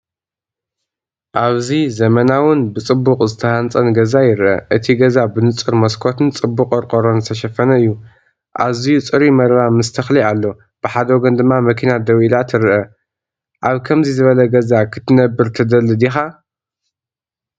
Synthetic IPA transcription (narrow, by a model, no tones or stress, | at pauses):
ʔaβzizɐmɐnawʊnbɨt͡sʼɨbːuqʼzɨt̪ʰɐhant͡sʼɐnɡɐzajɪɾʔɐ̰ʔɨt̪ʰiɡɐzabɨnɨt͡sʼɨɾmɐskʰo̞t̪ʰɨnt͡sʼɨbːuqʼɐɾkʼoɾonzɨt̪ʰɐʃɐfɐnɐɨjːu | ʔa̰βzijut͡sʼɨɾimɐɾɾamɨst̪ʰɐxlialːo̞ | b̥ɨħad̪ɐwoɡɐnd̪ɨmːamɐkʰinad̪ɐwilat̪ʰɨɾʔɐ | ʔaβkʰɐmzizɨβɐlɐɡɐzakʰɨt̪ʰɨnɐbːɨɾt̪ʰɐd̪ɐlɨd̪ixa